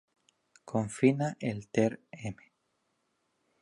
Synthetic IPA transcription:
kʰoɱfinaʔelt̪eɾeme

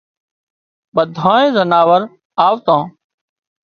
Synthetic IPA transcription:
ɓəd̪ʱãːẽːzənaːʋəɾ | aːʋt̪ãː

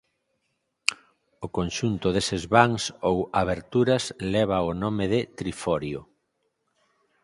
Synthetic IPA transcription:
okonʃunt̪ʊðesezβaŋsowaβeɾt̪uɾɐslɛβ̞aonomeðɪt̪ɾifɔɾjo

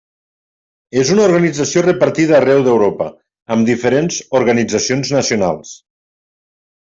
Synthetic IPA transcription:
ezunauɾɣənid͡zəsiorəpəɾt̪iðəːrɛwðewɾopə̰ | əmd̪ifəɾenzuɾɣənid͡zəsionznəsiuna̰lˠs

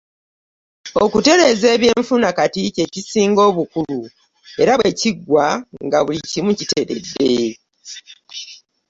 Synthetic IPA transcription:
o̞kute̞ɾe̞ze̞ːβjeːɱfunakatice̞cisiːŋɡo̞ːβukulu | e̞ɾaβwe̞ciɡwaŋɡaβulicimucite̞ɾe̞̰dːe̞

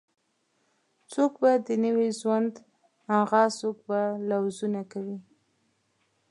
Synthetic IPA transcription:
t͡sokbad̪ənəweʒwand̪ | aɣɑsokbalawzunakawi

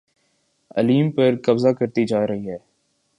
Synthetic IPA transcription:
ɐ̰liːmpɐɾkɐbzakɐɾt̪id͡ʒaːɾɐɦiɦɛː

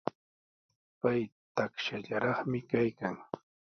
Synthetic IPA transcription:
pajt̪akʃaʎaɾɑχmɪkajkaŋ

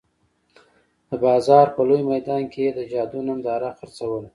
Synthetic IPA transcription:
d̪̥əbɑzɑɾpəlojmajd̪ɑnkʰed̪əd͡ʒɑd̪unamd̪ɑɾaxaɾt͡sawəl

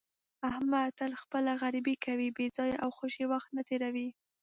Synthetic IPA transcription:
ahmat̪alxpəlaɣaɾibikawibezɑjawxoʃiwaxt̪nat̪eɾawi

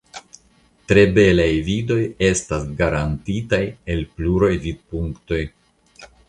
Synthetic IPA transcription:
tɾe̞be̞lajvido̞je̞stasɡaɾantitaje̞lpluɾojvid̚puŋkto̞j

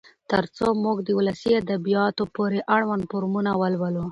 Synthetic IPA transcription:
t̪əɾt͡somuɡd̪əulasiad̪abijɑt̪opoɾeʔaɽwand̪poɾmunawəlwəlo

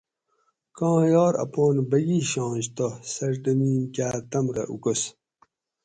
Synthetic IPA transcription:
kɑ̃ːjɔːɾɐ̰põːnbɐɡiɕɑ̃ːɕt̪osɐɾɖɐmiːnkʲaːt̪ɐmɾɐ̰ʔukus

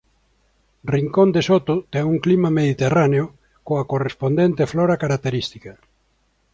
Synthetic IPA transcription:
riŋkond̪esot̪ot̪eŋuŋklimameðit̪eraneo | koakorespond̪ent̪eflɔɾakaɾak̚t̪eɾist̪ikɐ

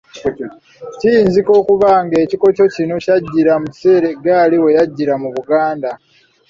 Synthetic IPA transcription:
cijiːnziko̞ːkuβaŋɡe̞ːciko̞co̞cino̞caɟːiɾamuse̞ːɾe̞ɡaːliwe̞jaɟːiɾamuβuɡaːnda

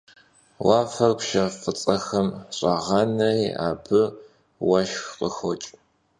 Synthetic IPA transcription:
waːfɐrkʷʃɐfɨt͡sʼɐxɐmɕʼɐʁɐnɐja̰ːbɨ | wɐʃxqʼəxɔt͡ʃʼ

